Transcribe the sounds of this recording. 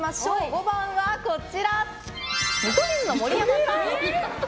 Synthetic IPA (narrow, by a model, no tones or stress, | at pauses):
maɕoːɡobãɰ̃βako̞t͡ɕiɾa | mit̪oɾʲĩnːomo̞ɾʲijamaa